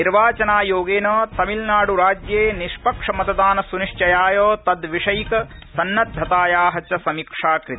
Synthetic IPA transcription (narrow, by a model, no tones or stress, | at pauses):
niɾʋaːt͡ʃɐnaːjoːɡeːnɐːt̪ɐmilnaːɽuɾaːd͡ʒjeːniʃpɐkʂɐmɐt̪ɐd̪aːnɐsuniʂt͡ʃɐjaːjoːt̪ɐd̪ʋiʂɐjikɐsɐnːɐd̪ʱːɐt̪aːjaːɦɐt͡ʃɐsɐmikʂaːkɾɪt̪